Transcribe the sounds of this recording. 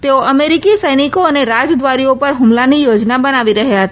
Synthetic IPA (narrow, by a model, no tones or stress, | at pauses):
t̪eoʔɐmeːɾɪkisəɪnɪkõneɾaːd͡ʒd̪ʋaːɾijõpɐɾɦʊmlaːnijoːd͡ʒnabɐnaːʋiɾɐɦja